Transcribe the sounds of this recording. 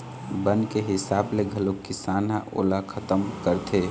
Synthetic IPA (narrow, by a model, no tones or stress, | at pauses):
bənkeɦɪsaːbleɡʱɐlokɪsaːnaʔo̰ːlakʰət̪əmkəɾt̪ʰeː